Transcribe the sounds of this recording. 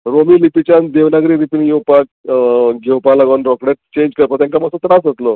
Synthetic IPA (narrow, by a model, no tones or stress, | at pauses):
ɾomiːlipit͡ɕãnd̪eʋnaɡɾiːɾipinjewpak̚ɡʱewpalaɡʋanɾɔkɽet̪̚t͡ɕẽɲd͡ʑkəɾpəɾt̪jãŋkaməsot̪ɾasət̪lo